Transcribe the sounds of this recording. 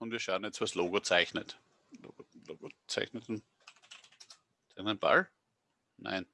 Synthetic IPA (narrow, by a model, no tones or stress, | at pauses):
ʊntviːɐʃaːn̩ɛt͡stʋasloːɡot͡sæɪçnət | lo̰ɡoloːɡot͡sæɪçnətn | t͡sanənb̥a̰l | nã̰ɪn